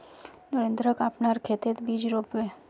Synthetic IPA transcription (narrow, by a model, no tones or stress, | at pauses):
nəɾẽnd̪ɾəkapnaɾkʰet̪et̪bid͡ʒɾopʋe